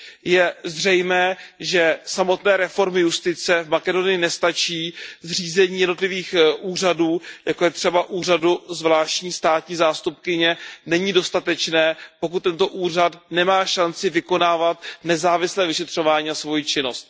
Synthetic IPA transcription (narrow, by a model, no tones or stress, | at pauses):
jɛzr̝ɛjmɛːʒɛsamo̞t̪nɛːɾɛfo̞ɾmɪjust̪ɪt͡sɛvmakɛdo̞nɪjɪnɛst̪at͡ʃiːzr̝iːzɛɲiːjɛdno̞t̪lɪviːxʔuːr̝aduːjakojɛt̪r̝̥ɛbaʔuːr̝aduzvlaːʃcɲiːst̪aːt̪ɲiːzaːst̪up̚kɪɲɛnɛɲido̞st̪at̪ɛt͡ʃnɛːpo̞k̬ut̪ːɛnt̪o̞ʔuːrat̪nɛmaːʃant͡sɪvɪko̞naːvat̪nɛzaːvɪslɛːvɪʃɛt̪r̝̥o̞vaːɲiːasvo̞jit͡ʃɪno̞st̪̚